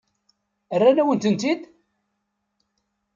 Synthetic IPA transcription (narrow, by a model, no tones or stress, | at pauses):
ərːænæwənt̪ənt̪id̪